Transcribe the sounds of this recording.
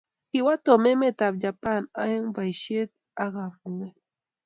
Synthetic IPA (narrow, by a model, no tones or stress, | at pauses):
xiwat̪omemet̪abʎapanajaŋbajʃet̪̚ | aɣamuŋe